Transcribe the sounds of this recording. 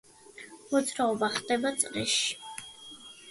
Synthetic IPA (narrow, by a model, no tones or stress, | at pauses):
mɔt̪sʼɾaɔbaχd̪ɛbat̪sʼɾɛʃi̥